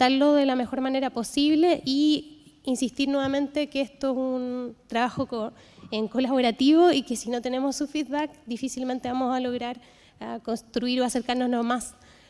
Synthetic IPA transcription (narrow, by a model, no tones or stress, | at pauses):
t̪aɾloðe̞lame̞xo̞ɾmaneɾapo̞siβle̞ʔi | insist̪iɾnwe̞βamẽ̞nt̪e̞keest̪oesunt̪ɾaβaxo̞ko | eŋko̞laβo̞ɾat̪iβo̞ike̞sino̞t̪e̞ne̞mo̞sːufid̪βak̚d̪ifisilme̞nt̪eβamo̞salo̞ɣɾaɾ | ako̞nst̪ɾuiɾoase̞ɾkaɾno̞slomas